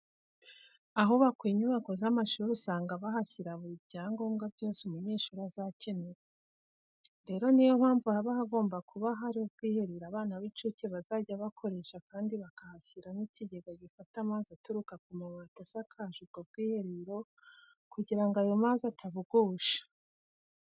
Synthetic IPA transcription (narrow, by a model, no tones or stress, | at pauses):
aɦoβakwiːɲuβako̞zamaʃuɾusaːŋɡaβaɦaçiɾaβubɟaːŋɡo̞ːmɡabɟo̞ːsemuɲeːʃuɾazacʰeneɾe | ɾe̞ːɾo̞nijomhaːɱvuhaβahaɡo̞ːmbakuβaɦaɾiob̚ɡ̥iːhe̞ɾiɾaβaːnaβit͡ʃuceβazaɟaβakʰo̞ɾe̞ʃakaːndiβakahaçiɾaniciɟeɡaɡifatamaːnzatuɾukakumamatasakʰahʃuɡ̥ob̚ɡiːheɾiɾo̞ | kuɟiɾaŋɡajomaːnzatʰaβuɡuːʃḁ